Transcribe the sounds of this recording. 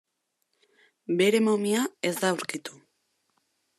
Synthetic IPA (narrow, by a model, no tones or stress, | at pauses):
be̞ɾe̞momiae̞zd̪awɾkit̪u̥